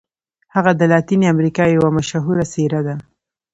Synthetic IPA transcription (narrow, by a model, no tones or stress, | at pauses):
haɣad̪əlɑt̪iniamɾikɑjawamaʃaɦuɾaseɾad̪a